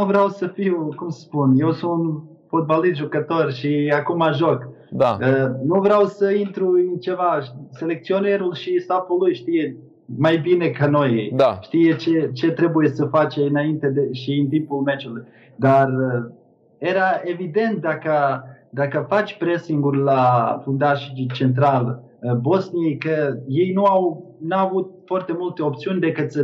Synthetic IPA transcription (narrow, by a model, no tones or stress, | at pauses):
nuvɾawsəfiukumsə̥spunjɛsumun | fot̪̚balˠist̪ʒukat̪ɔɾʃiakumaʒɔk | d̪anuvɾawsəint̪ɾuint͡ʃɛvaʃsɛlɛk̪̚t͡sionɛɾulˠʃisapulˠujʃt̪iɛ | majbinɛkanɔjɛd̪aʃt̪ijɛt͡ʃɛt͡ʃe̞t̪ɾe̞buje̞səfat͡ʃeɨnaint̪e̞d̪eʃiɨnt̪impulmed͡ʒuluj | d̪ar | je̞ɾae̞vid̪e̞nt̪̚d̪akə | d̪akəfat͡ʃʲpɾe̞siŋɡurʲlafund̪aʃit͡ʃe̞nt̪ɾal | bo̞snijejkəje̞jnuaw | navut̪̚foart̪e̞mult̪e̞o̞p̚t̪siunʲd̪e̞kɨt̪s